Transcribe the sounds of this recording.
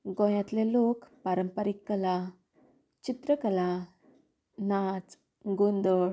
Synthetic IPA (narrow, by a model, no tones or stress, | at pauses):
ɡɔ̃jãt̪lelokpaɾəmpəɾikːəla | t͡ɕit̪ɾəkəla | nat͡s | ɡond̪əɭ